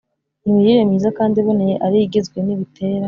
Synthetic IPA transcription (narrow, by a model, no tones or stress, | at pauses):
niujiɾemiːzakaːndiβunejeʔaɾiɡizɡwe̞niβitʰe̞ːɾa